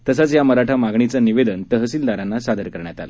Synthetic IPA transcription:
t̪əs̬at͡sjaməɾaʈʰamaɡɳit͡saniʋed̪ənt̪əɦəsiːld̪aɾanːasad̪ʱəɾkəɾɳjat̪ala

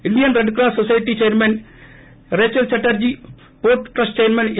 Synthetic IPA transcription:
ɪnɖijɐnɾɛɳɖk̬ɾaːsɔsɐjɪʈːit͡ʃeːɐɾmɐn | ɾeːt͡ʃːɐlsɐʈːɐɾd͡ʑi | poːɾʈʈɾɐsʈt͡ʃeːɾmɐn

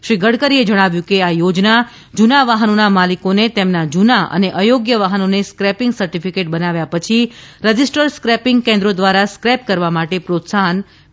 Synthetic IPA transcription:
ʃɾiɡʱəɽkəɾied͡ʒəɽ̃aʋjũkeajod͡ʒna | d͡ʒunaʋaɦənonamalikonet̪emnad͡ʒunaʔə̰neʔəjoɡjəʋaɦənoneskɾɛpɪŋɡsəɾʈifʰikeʈ̚bənaʋjapət͡ʃʰiɾəd͡ʒisʈəɾskɾɛpɪ̃ŋɡkɛ̃nd̪ɾod̪ʋaɾaskɾɛp̚kəɾʋamaʈepɾot̪saɦən

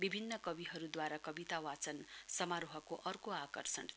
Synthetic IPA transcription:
bibʱinːʌkʌbiɦʌɾud̪waɾakʌbit̪awat͡sʌnsʌmaɾoɦʌkoʔʌrkoakʌrsʌ̰n

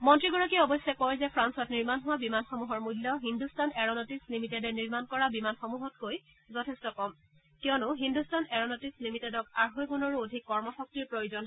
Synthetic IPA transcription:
mɔntɹiɡɔɹɔkiɔbɔjsɛkɔjzɛpʰɹansɔtniɹmanɦʊwabimanxomuɦɔɹmulːɔɦindustanɛɹɔnɔtislimitedɛniɹmankɔɹabimanxomuɦɔt̚koj | zɔtʰɛstɔkɔm | kijɔnʊɦindustanɛɹɔnɔtislimitɛdɔkaɹɦojkunɔɹodʱikːɔɹmɔxɔk̚tiɹpɹojuzɔn

